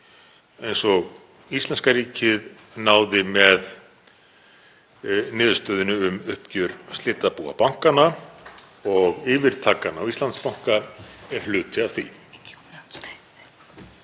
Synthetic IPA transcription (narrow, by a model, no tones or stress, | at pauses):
ejnsɔɣ | ist̪lɛnskaɾiːcɪð | naːwðɪmɛð | nɪːðʏ̥st̪œːðʏnʏʏmʏhpcʏɾ̥st̪ɪːt̪ːapuːa̰pawŋ̥kana | ɔɣɪːvɪɾ̥t̪ʰaːkanawist̪ant̪spawŋ̥kaɛɾ̥l̥ʏːt̪ɪaθḭ